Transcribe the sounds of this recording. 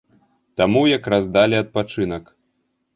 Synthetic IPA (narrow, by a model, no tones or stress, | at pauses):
t̪amujakɾazd̪alʲiɐt̪̚pat͡ʂɨnɐk